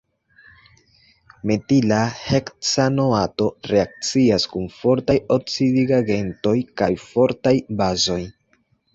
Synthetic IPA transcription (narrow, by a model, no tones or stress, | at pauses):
metilahekt͡sano̞ato̞ɾe̞ak̚t͡siaskumfo̞ɾtajot͡sidiɡaɡe̞nto̞jkajfo̞ɾtajbazo̞j